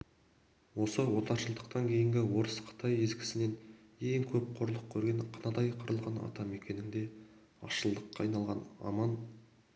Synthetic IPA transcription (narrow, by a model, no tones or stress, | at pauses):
wo̞səwo̞t̪ɑɾʃəlˠd̪əqt̪ɑŋkʲʰe̞jɪŋɡʲɪwo̞ɾəsqʰə̥t̪ʰɑje̞zɡʲɪ̥sɪne̞neŋkʲʰɵp̚qʰoɾlˠəq̚kʲʰːɵɾɡʲe̞nqʰənɑd̪ɑjqʰəɾəlˠʁɑnɑ̰t̪ɑme̞kʲe̞nɪŋd̪e̞ | ɑ̰ʃəlˠd̪əqːɑɑjnɑlˠʁɑnɑ̰mɑn